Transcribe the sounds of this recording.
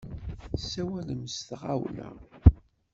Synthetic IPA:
sæwæləmst̪ʁawlæ̰

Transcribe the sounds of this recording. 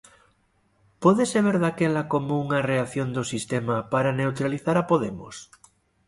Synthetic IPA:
poðeseβ̞eɾðakelakomouŋareaθjond̪osist̪emapaɾanewt̪ɾaliθaɾapoðemos

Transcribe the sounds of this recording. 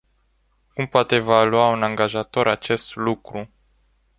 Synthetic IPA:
kumpoat̪evaluaunaŋɡaʒat̪o̞ɾʔat͡ʃe̞st̪lukɾu

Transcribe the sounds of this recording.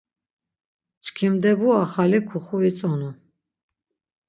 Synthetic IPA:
t͡ʃkʰimd̪ɛbuaχalikʰuχuit͡sʼɔnu

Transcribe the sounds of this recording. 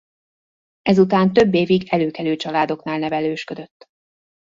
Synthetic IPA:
ɛzut̪aːnt̪ø̞bːeːviɡɛløːkɛløːt͡ʃɒlaːd̪o̞knaːlnɛvɛløːʃkø̞d̪ø̞t̪ː

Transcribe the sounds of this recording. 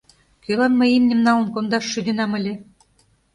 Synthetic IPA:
kølɑnmɤimnʲĕmnɑlə̆nkond̪ɑʃːyd̪enɑmə̆lʲĕ

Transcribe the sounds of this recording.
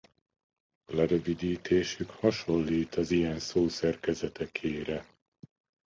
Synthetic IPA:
ɒlɛɾøvid̪iːt̪ʰeːʃykhɒʃo̞lːiːt̪ɒzijɛnsoːsɛrkɛzɛt̪ɛkʰeːɾɛ

